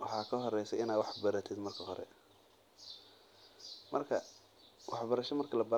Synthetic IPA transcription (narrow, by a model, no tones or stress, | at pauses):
wɑħɑːkʰɐɦɔrɛjsɛɪnaːwɑħbɐɾɐt̪ʰɪd̪mɐrkʰɐɦɔɾɛ̰ | mɐrkʰɐ | wɑħbɐɾɐʃɐmɐrkʰɐlɐbɐ